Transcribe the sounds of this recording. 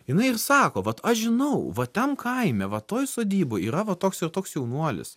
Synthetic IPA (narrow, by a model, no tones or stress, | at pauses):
jɪnɐɪɪrsɑːkoːʋɐt̪ɐʃʒʲɪnɐʊʋɐt̪ʲɛmkʰɐɪmʲɛʋɐt̪oːjsoːd̪ʲiːboiːɾɐʋɐt̪oːksɪrt̪oːksjɛʊnuɔlʲɪ̰s